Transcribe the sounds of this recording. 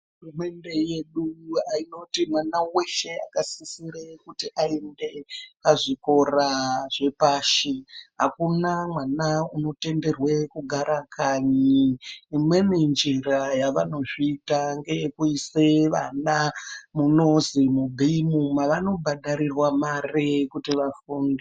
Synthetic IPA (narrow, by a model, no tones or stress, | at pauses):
ɦurume̞nde̞je̞ɗuaino̞timwanawe̞ʃe̞akasisiɾekutiʔae̞nde̞paʐiko̞raʐe̞paːʃiɦakunamwanauno̞te̞nde̞rwe̞kuɡʱaɾakʰaɲiː | mwe̞mind͡ʒirajaʋano̞ʐiːtaŋɡe̞jekuiseʋa̰namuno̞zimubʱiimumaʋano̞bʱaɗaɾirwamarekutiʋafuːnde